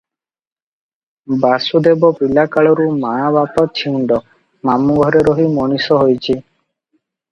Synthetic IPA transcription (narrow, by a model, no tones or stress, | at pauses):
basud̪ebɔpilakaɭɔɾumabapɔt͡ʃʰiuɳɖɔ | mamuɡʱɔɾeɾɔɦimɔñisɔɦojt͡ʃʰi